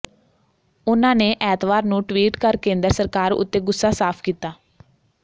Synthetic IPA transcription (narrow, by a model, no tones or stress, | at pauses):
ʊnãːneːʔɛːt̪ʋaːɾnũːʈʋiːʈkəɾkẽːnd̪əɾsəɾkaːɾʊ̰t̪ːeːɡʊsːaːsaːpʰkiːt̪aː